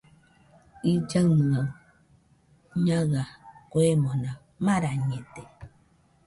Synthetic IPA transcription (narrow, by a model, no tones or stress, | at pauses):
id͡ʒama | ɲaɣakwemõnã | mãɾaɲẽt̪e